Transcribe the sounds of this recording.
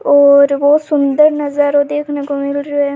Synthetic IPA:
ɔːɾʋoːsʊnd̪əɾnɐzəɾod̪eːkʰnekomɪlɾoe

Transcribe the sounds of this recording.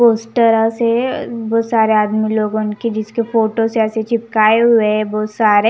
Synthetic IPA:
poːsʈəɾasebɔoːt̪saːɾeaːd̪miloːɡnked͡ʒɪskefoːʈoseɛːset͡ʃɪpkaːeɦʊebɔːt̪saːɾe

